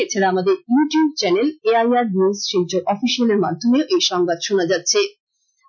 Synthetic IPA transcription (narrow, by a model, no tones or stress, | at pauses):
et͡ɕʰeɾaamad̪eɾjuʈijub̚t͡ɕɛneleajaɾnisʃikd͡ʑoɾʔɔfiʃialeɾmant̪ʰomeoʔejʃɔŋbad̪ʃonad͡ʑatːɕʰe